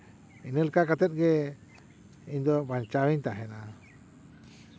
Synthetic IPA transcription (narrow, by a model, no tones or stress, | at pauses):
inəlkakat̪ɛt̪̚ɡɛ | iɲd̪ɔbaɲt͡ʃawiɲt̪aɦɛna